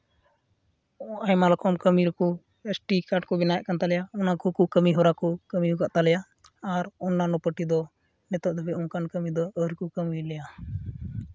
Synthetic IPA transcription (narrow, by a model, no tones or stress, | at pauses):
ajmalkʰɔmkəmiɾɔkɔ | esʈikaʈkɔbɛnajɛʔkant̪alɛjaɔnakɔkuʔkəmiɦɔɾakɔkəmiɦukaʔt̪alɛja | aɾɔnːanɔpəʈid̪ɔ | nɛt̪ɔʔd̪ɛbɛɔnkankəmid̪ɔəɾkukəmilɛja